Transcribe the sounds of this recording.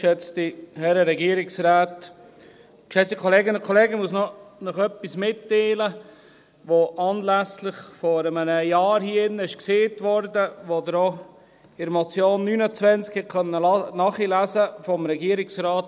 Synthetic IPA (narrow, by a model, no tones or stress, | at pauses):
ʃɛt͡stihɛɾəɾɛɡiəɾɪksɾaːt | kʃɛsikʰoleːɡənʊ̃nkʰoleːɡəmuəsnɔnɔχœpːismɪtːeːlə | ʋoʔɑːnlæslɪχfɔɾəmənəjɑːɾhiːɪnːəɪʃkseːtʋɔɾdəʋodɾo | ɪɾmot͡sjoːnːyːnət͡sʋɛnt͡skhɛtkʰœnːəlnɑːχilæsəfɔmɾɛɡiəɾɪksɾaːt